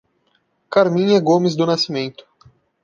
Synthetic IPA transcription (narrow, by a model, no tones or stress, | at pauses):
kaɾmĩɲɐɡomɪzd̪ʊnasimẽnt̪ʊ̥